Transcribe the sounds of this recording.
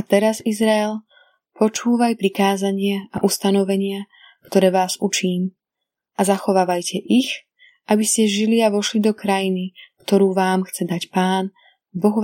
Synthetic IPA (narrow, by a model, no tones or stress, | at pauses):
at̪ɛɾazizɾaɛl | pɔt͡ʃuːʋajpɾikaːzaɲɪɛa̰ʔust̪anɔʋɛɲɪa | kt̪ɔɾɛːʋaːzut͡ʃiːm | ʔazaxɔʋaːʋajcʰɛʔix | ʔabiscɛʒiliaʋɔʃlid̪ɔkɾajinikt̪ɔɾuːʋaːmxt͡sɛd̪acpaːn | bɔɣʋ